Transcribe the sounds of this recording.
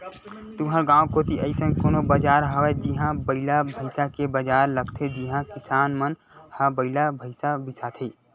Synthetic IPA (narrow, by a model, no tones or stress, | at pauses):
t̪ʊɦaɾɡãːõkoːt̪iəɪsə̃nkoːnobəd͡ʒaːɾɦəwɛd͡ʒiɦãbəɪlabʱəɪsakebəd͡ʒaːɾləɡt̪ʰed͡ʒiɦãkɪsaːnmən | hãbəɪlabʱəɪsabɪsat̪ʰiː